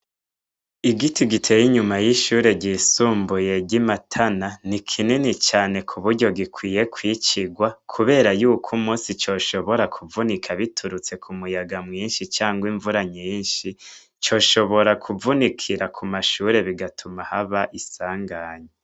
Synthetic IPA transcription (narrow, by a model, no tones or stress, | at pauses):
iɡitiɡitʰejiɲumajiʃuːɾe̞ɟiːsuːmbuje̞ɟimatʰananikʰininit͡ʃaːne̞kʰuβuɾɟo̞ɡikwiːje̞kʰwiːt͡ʃiɡwakʰuβe̞ːɾajuːkʰumuːsit͡ʃo̞ːʃo̞βo̞ɾakʰuvunikʰaβitʰuɾut͡se̞kʰumujaɡamŋiːnʃit͡ʃaːŋɡwiɱvuɾaɲiːnʃi | t͡ʃo̞ʃo̞βo̞ɾakʰuvunikʰiɾakʰumaʃuɾe̞βiɡatʰumahaβaʔisaːŋɡaːɲe